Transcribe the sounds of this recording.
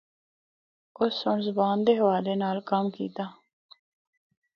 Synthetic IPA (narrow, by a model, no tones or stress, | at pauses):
ʊsːʊɳzʊbaːnd̪eːɦəʋaːleːnaːlkəmkḭːt̪aː